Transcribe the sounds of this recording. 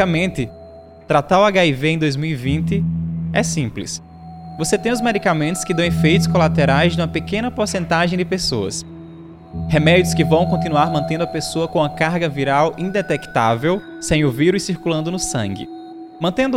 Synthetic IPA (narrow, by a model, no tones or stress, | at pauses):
amẽnt̪ɪ | t̪ɾat̪aɾwaɡaiveẽd̪ojzmiwivĩnt̪ɪɛsĩplɪ̰s | voset̪ẽj̃ʊzmed̪ikamẽt̪ʊ̥skɪd̪ɐ̃w̃efejt̪ʊskɔlat̪eɾajznũmɐpekẽnɐpoɾsẽnt̪aʒẽj̃d̪ɪpesoɐ̰s | hemɛd̪jʊskɪvɐ̃w̃kõnt̪inuaɾmɐ̃nt̪ẽnd̪ʊɐpesoɐkõũɐkaɾɡɐviɾawĩd̪ɛt̪ɛkt̪a̰vew | sẽj̃oviɾʊɪsiɾkulɐ̃nd̪ʊnʊsɐ̰̃ŋɡɪ̰ | mɐ̃nt̪ẽnd̪ʊ